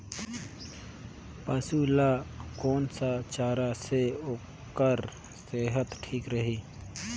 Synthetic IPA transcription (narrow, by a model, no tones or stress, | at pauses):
pəsulakɔːnsat͡ʃaːɾaseo | kəɾ | seɦət̪ʈʰiːkɾəɦiː